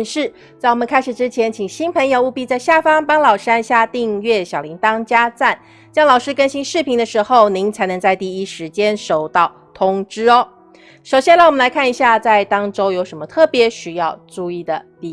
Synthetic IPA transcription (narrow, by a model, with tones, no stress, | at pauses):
nʂɻ̩˥˩ | t͡sa˥˩ɪwɔ˨˩mə̃˨nkʰa˥ɪʂɻ̩˨˩ʈ͡ʂɻ̩˥t͡ɕʰjɛ˧˥nt͡ɕʰi˨˩ŋɕi˥npʰə˧˥ŋjo˧ʊu˥˧pi˥˧t͡sa˥˧ɪɕja˥˩fɑ˥ŋpa˥ŋlɑ˨˩ʊʂɻ̩˥a˥˧nɕja˥˧t̪i˥˧ŋɥɛ˥˩ɕjɑ˨˩li˧˥ŋt̪ɑ˥ŋt͡ɕja˥t͡sa˥˩n | t͡ɕjɑ˥ŋlɑ˨ʊʂɻ̩˥kə˥nɕi˥nʂɻ̩˥˩pʰi˧˥ŋd̪ə˧ʂɻ̩˧˥xo˥˩ʊni˧˥ŋt͡sʰa˧˥ɪnɤ˧˥ŋt͡sa˥˧ɪt̪i˥˩i˥ʂɻ̩˧˥t͡ɕjɛ˥nʂo˨˩ʊt̪ɑ˥˩ʊt̪ʰʊ˥ŋʈ͡ʂɻ̩˥ɔ˦ | ʂo˨˩ʊɕjɛ˥nla˥˩wɔ˨mə˦nla˧˥ɪkʰa˥˩ni˧˥ɕja˥˧t͡sa˥˩ɪt̪ɑ˥ŋʈ͡ʂo˥ʊjo˧˥ʊʂə˧˥nmə˧t̪ʰɤ˥˩pjɛ˧˥ɕy˧˩jɑ˥˧ʊʈ͡ʂu˥˧i˥˩d̪ə˩t̪i˥˧